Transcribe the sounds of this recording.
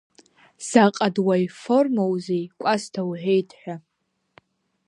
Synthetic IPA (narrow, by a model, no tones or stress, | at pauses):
z̥aqʼadwajformowzejkʷʼastʰawħʷᶣejtʰħʷᶣa